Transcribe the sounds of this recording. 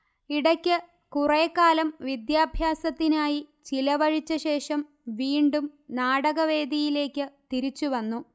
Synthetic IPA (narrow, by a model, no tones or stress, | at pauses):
iɽɐkʲːɨ | kurɐjkːaːlɐmʋid̪jaːbʱjaːsɐt̪ːinaːjit͡ɕilɐʋɐɻit͡ɕːɐɕe̞ːʂɐm | ʋiːɳɖumnaːɽɐɣɐʋe̞ːd̪ijile̞ːkʲːɨt̪iɾit͡ɕːuʋɐnːu